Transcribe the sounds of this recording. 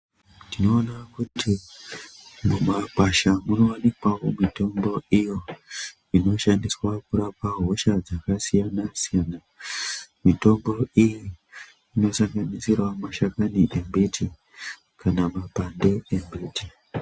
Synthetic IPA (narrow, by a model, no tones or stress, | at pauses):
tino̞ːnakutʰi | mumakaʃamuno̞anikwawomito̞mbo̞ijo̞ | ino̞ʃandiswakuɾapaɦo̞ʃad͡zakasijanasijana | mito̞mbo̞ijiː | no̞saŋɡanisirwamaʃakaniʔembe̞tʰi | kanamapande̞embe̞ti